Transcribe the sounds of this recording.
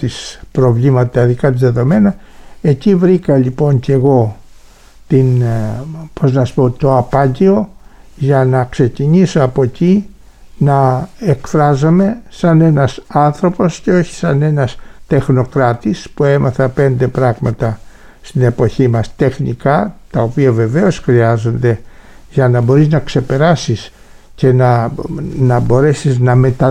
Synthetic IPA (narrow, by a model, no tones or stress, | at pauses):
t̪ispɾo̞vlimɐt̪ɐt̪ɐðikɐt̪izðe̞ðo̞me̞nɐ | e̞civɾikɐʎipo̞ɲce̞ɣo̞ | t̪in | po̞znɐsu̥po̞t̪o̞ɐpɐɲɟio̞ʝɐnɐkse̞ciɲisoɐpo̞ci | nɐe̞kfɾɐzome̞sɐne̞nɐsɐnθɾo̞po̞sceo̞çi̥sɐne̞nɐst̪e̞xno̞kɾɐt̪ispue̞mɐθɐpe̞nd̪e̞pɾɐɣmɐt̪ɐ | st̪ine̞po̞çimɐst̪e̞xnikɐt̪ɐo̞piɐve̞ve̞o̞sxɾiɐzo̞nd̪e̞ | ʝɐnɐbo̞ɾiznɐkse̞pe̞ɾɐsis | ce̞nɐ | nɐbo̞ɾe̞siznɐme̞t̪ɐ